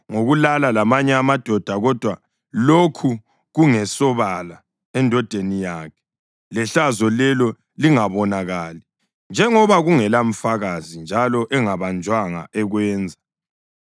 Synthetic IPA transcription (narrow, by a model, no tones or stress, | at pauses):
ŋoɣulalalamaɲɛamad̥ʱɔd̥ʱaɣɔd̥ʱwa | lokʰu | ɣuŋɛsɔβala | ɛndʱɔd̥ʱenijaːkʰɛ̥ | lɛɬazɔlɛlɔ | liŋaβɔnaɣali | nd͡ʒʱɛŋɔβaɣuŋɛlam̩faɣazind͡ʒʱalɔʔɛŋaβand͡ʒʱwaŋa̰ʔɛɣwɛːnd͡zʱa